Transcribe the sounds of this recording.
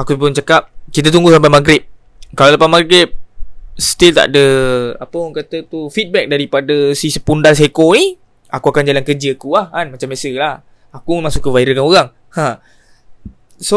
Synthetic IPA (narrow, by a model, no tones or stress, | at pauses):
akupʊnt͡ʃakap̚kit̪̬at̪̬uŋɡusampajmaɡɾɪp̚ | kalalapamaɡɾɪp̚sə̥t̪ilt̪a̰ʔdəapəɔŋkat̪at̪ufit̪̚bɛk̚daɾipadasisə̥pundals̬akoni | akuakand͡ʒalankərd͡ʒəakuahanmat͡ʃambjasəlah | akuməmãŋsuʔkːəvaiɾəkanoɣaŋ | hã | so